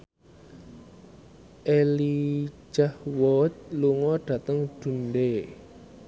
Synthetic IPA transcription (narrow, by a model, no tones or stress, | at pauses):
ʔeli̥d͡ʒ̥ahwɔt̪̚luŋɔɖ̥a̤t̪əŋd̪̥ṳnde